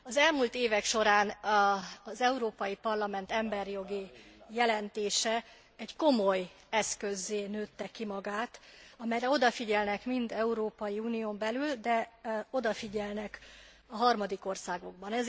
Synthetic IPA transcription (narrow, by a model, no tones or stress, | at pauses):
ɒzɛlmuːlt̪eːvɛkʃo̞ɾaːn | ɒzɛuɾoːpɒjipɒrlɒmɛnt̪ɛmbɛrjo̞ɡijɛlɛnt̪eːʃɛ | ɛɟko̞mo̞j | ɛskø̞zːeːnøːt̪ːɛkːimɒɡaːt̪ɒmɛjɾɛo̞d̪ɒfiɟɛlnɛkmind̪ɛuɾoːpɒjiuːnijoːmbɛlyld̪ɛo̞d̪ɒfiɟɛlnɛk | ɒɦɒrmɒd̪iko̞rsaːɡo̞ɡ̚bɒnɛz